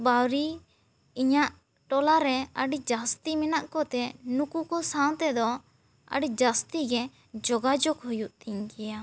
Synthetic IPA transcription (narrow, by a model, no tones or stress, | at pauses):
bawɾi | iɲaʔ | ʈɔlaɾɛəɖid͡ʒast̪imɛnaʔkɔt̪ɛnukukɔsaw̃t̪ɛd̪ɔ | ə̰ɖid͡ʒast̪iɡɛ | d͡ʒɔɡad͡ʒɔkhujuʔt̪iɲkɛja